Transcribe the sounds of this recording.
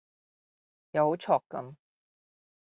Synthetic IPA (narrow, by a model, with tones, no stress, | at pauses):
ja˨˧who˨˥wt͡ʃʰɔː˨˩kːɐ̰˨˥m